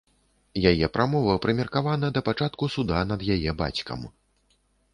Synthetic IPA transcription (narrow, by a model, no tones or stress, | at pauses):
jajɛpɾʔamɔvɐpɾɨmʲɛrkavanɐd̪ɐpat͡ʂat̪kusud̪anɐd̪jajɛba̰t͡sʲkɐ̰m